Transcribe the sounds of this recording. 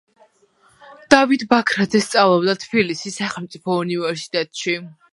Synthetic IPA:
d̪̥avit̪bakʰɾad̪zɛst̪sʼavlˠɔbd̪at̪ʰbilisisːaχɛlˠmt̪sʼipʰɔunivɛɾsi̥t̪ʼɛt̪ʼʃi

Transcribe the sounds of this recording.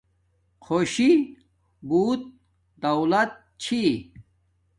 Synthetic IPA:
xʰoɕi | buːt̪̚ | d̪ɐwlɐt̪̚ | t͡ɕʰi

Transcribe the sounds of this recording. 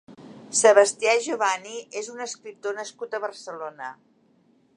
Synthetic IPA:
səβəst̪iaʒuβaniʔezunəskɾip̚t̪onəskut̪əβərsəlonə

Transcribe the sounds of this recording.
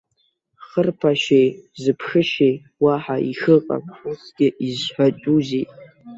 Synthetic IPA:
χərpʰaʃejzɨpʰʂɨʃej | waħaixɨqʼa̰pʊsɡ̥ʲɪʔizħʷᶣat͡ʃʼuzitʼ

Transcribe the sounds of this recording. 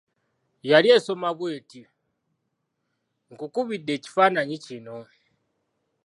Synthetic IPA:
jalijesomaβweti | ŋɡukuβidet͡ʃi̥fanaɲit͡ʃino

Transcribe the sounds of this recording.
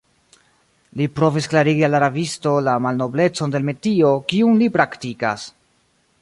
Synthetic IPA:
lipɾo̞visklaɾiɡialaɾavisto̞lamalno̞ble̞t͡so̞nde̞lme̞tio̞kiumlipɾaktika̰s

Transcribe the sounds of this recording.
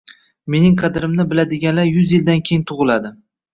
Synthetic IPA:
me̞nɪŋqʰɑd̪ɪɾɪmnɪbɪlad̪ɪɡʲanlaɾjʊzjɪld̪ankʲʰejɪnt̪ʰʊʁɨlad̪ɪ

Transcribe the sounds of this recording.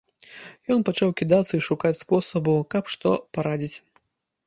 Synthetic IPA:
jɔnpat͡ʂawkʲid̪at̪sːɐiʂukat͡sʲspɔsɐbukɐpʂt̪ɔpaɾad͡zʲit͡sʲ

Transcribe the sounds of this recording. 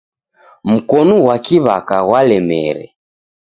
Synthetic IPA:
m̩kɔnuwakiβa̰kaɣwalɛmɛɾɛ̰

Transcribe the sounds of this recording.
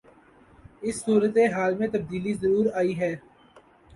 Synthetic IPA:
ɪsːuːɾət̪eɦaːlmẽt̪ɐb̚d̪iːlizɐɾuːɾaːiɦɛː

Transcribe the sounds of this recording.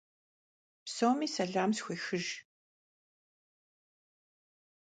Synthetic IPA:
psɐwmiːsɐɮaːmsxʷiːxɨʒ

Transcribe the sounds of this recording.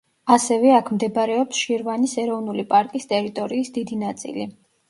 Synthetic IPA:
asɛvɛakʰmd̪ɛbɾɛɔpsʃiɾvanisɛɾɔvnulipʼaɾkʼist̪ʼɛɾit̪ʼɔɾiːsd̪id̪inat̪sʼḭli

